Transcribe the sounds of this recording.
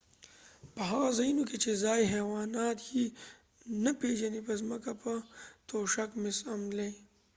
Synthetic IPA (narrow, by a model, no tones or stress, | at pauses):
pɐɦaːɣzɐinuket͡ʃezaːjɦɛːwaːnaːt̪ji | nɐpeːʒɐnipɐzmɐkapɐt̪oːʃɐkmɪsɐmle